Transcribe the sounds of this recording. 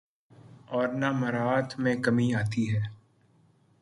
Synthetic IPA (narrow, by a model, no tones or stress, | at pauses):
ɔːɾnaməɾaːt̪ʰmẽːkəmiaːt̪iɦɛː